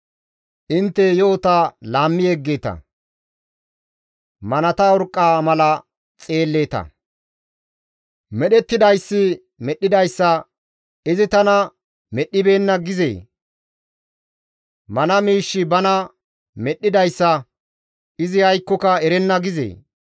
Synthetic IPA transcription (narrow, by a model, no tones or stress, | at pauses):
ʔɪnt̪ːɛjoːt̪ɐlaːmːɪjeɡːe̞ːt̪ɐ̰ | mɐnɐt̪ɐɔɾkʼːaːmɐlɐ | t͡sʼe̞ːlːe̞ːt̪ɐ̰ | mɛɗɛt̪ːɪd̪ɐjsːɪ | mɛɗːɪd̪ɐjsːɐ | ɪzɪt̪ɐnɐ | mɛɗːɪbe̞ːnːɐɡɪzḛː | mɐnɐmiːʃːɪbɐnɐ | mɛɗːɪd̪ɐjsːɐ | ɪzɪhɐjkːɔkɐɛɾɛnːɐɡɪzḛː